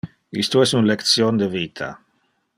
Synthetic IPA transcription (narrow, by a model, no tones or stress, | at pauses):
ḭst̪uɛsunlekt̪sjond̪evit̪ʰa̰